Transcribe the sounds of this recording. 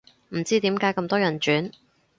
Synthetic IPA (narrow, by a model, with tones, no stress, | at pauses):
m̩˨˩t͡siː˥t̪iː˨˥mkaː˨˥jkɐ˧mt̪ɔː˥jɐ˨˩nt͡ʃyː˨˥n